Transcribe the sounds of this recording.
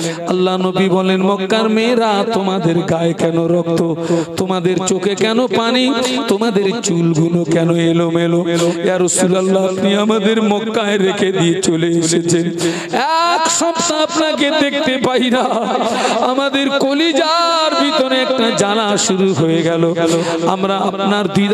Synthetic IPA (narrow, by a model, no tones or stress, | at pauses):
ɐlːanobibɔlenmɔkːaɾmeɾat̪omad̪eɾɡaekɛnoɾɔk̚t̪ot̪omad̪eɾt͡ɕokekɛnopanit̪omad̪eɾt͡ɕulɡulokɛnoelomelomeaɾosulalːaapniamad̪eɾmɔkːaeɾekʰed̪iet͡ɕoleeʃet͡ɕʰen | ɛkʃɔbsaapnak̬ed̪ek̚ʰt̪epaina | amad̪eɾkolid͡ʑaɾbʱit̪oɾeɛk̚ʈad͡ʑalaʃuɾuɦoeɡɛlo | amɾaapnaɾbi